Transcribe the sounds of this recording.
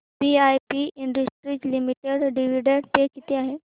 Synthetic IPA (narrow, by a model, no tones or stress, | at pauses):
siajpiiɳɖəsʈɾid͡ʑlimiʈeɽɖiʋ̤iɽeɽt̪ekit̪eaɦe